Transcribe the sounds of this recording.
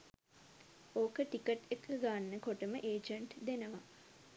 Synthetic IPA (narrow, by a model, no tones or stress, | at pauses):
oːkəʈikəʈekʰːəɡaːnːəkoʈəməʔeːd͡ʒəɳʈd̪enəʋa